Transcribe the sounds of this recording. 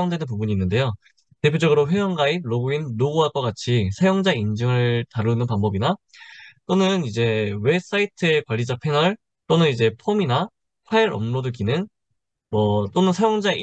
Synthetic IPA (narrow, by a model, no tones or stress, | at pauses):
jʌŋdwenɯnpubuɲiːnːɯnde̞jo | te̞pʰjod͡ʑʌɡɯɾoɸwejʌnɡait̚ɾoɡuinloɡuɦak͈ʌk͈at͡ɕʰisʰajʌŋd͡ʑaind͡ʑɯŋɯɭtaɾɭunɯnpanbʌbina | t͈onɯnid͡ʑe̞we̞s͈aitʰɯekwaʎːid͡ʑapʰe̞nʌɭ | t͈onɯnid͡ʑe̞pʰomina | ɸʰaiɾʌ̰mnodɯkinɯn | mʌt͈onɯnsʰajʌŋd͡ʑa